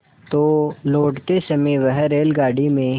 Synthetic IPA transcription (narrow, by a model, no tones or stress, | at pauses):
t̪oːloːʈt̪esɐmiʋəɦɾeːlɡaːɽimẽ